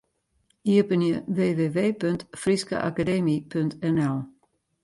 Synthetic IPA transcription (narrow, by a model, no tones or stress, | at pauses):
iəbənjəʋeːʋeːʋeːpøntfriskə̰ʔa̰kadeːmipøntɛnɛlˠ